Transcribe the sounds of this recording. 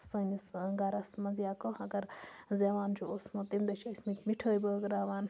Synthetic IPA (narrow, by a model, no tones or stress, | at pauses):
sɐnisɡaɾɐsmɐzijaːkohɐɡɐɾzeːʋaːnt͡ʃʰuosmɐt̪imd̪ɐt͡ʃʰismit̪ʲmiʈʰəːjbəːɡɾaːʋaːn